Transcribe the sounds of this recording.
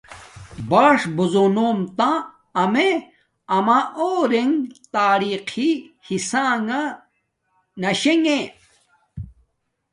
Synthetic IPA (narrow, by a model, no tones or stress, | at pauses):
baːʂbuzonoːmt̪ã | ɐme | ɐmaʔoːɾeŋt̪aːɾiqʰihisaːŋa | nɐɕeŋe